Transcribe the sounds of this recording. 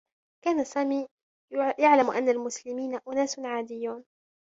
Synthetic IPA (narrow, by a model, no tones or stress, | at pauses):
kaːnasaːmiː | jaʕlamʔa̰nːalmʊslɪmiːnaʔʊnaːsʕaːd̪ɪjːuːn